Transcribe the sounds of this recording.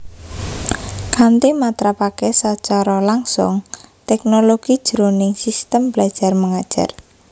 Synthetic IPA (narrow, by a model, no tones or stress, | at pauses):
kʰant̪emat̪ɾapakesat͡ʃaɾɔlaŋsʊ̰ŋt̪ɛknoloɡ̥id̥ʒ̥əɾonɪŋsist̪əmb̥lḁʒ̥a̤rməŋad̥ʒ̥a̰r